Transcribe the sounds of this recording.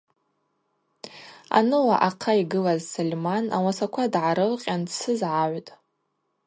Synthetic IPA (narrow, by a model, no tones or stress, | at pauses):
a̰nɨlaʔaqʰaiɡɨlazsolʲmana̰wasakʷʰadʕaɾɨlqʲʼansʰɨzʕaʕʷtʼ